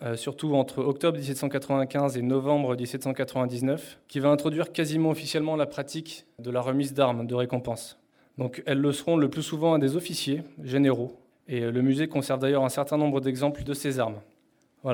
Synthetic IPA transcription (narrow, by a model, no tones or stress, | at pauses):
øsyʁt̪uɑ̃t̪χəɔk̚t̪ɔbʁd̪is̬ɛt̪sɑ̃kat̪χəvɛ̃kʲɛ̃zenɔvɑ̃bʁəd̪isɛt̪sɑ̃kat̪χəvɛ̃d̪iznœfkʲivaɛ̃t̪χɔd̪ɥiʁkazimɑ̃ɔfisjɛlmɑ̃lapχat̪ikd̪əlaʁəmizd̪aʁmd̪əʁekɔ̃pɑ̃s | d̪ɔ̃kɛlːəsəʁɔ̃ləplysuvɑ̃ɛ̃d̪ezɔfisjeʒeneʁo | eləmyzekɔ̃sɛʁvd̪ajœʁɛ̃sɛʁt̪ɛ̃nɔ̃bʁəd̪ɛɡzɑ̃pləd̪əsezaʁm | vwala